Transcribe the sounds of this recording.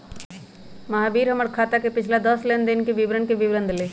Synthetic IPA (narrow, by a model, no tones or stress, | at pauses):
mɐɦabiːɾɦəməɽkʰaːt̪akepɪt͡ʃʰlad̪əslend̪ɪnkeʋɪʋɾəɳkeʋɪʋɾənd̪ʱle